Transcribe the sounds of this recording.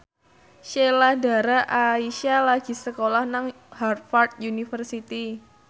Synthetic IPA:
ʃelahda̤ɾaʔaiʃalaɡ̥i̤səkolahnaŋ | har̚fart̪̚junifərsit̪i

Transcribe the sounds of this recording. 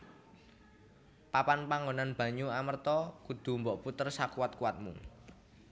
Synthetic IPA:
papanpaŋɡonanb̥ä̤ɲuamərt̪ɔkud̪̥ṳmbɔʔput̪ərsakuat̪̚kuwat̪̚mṵ

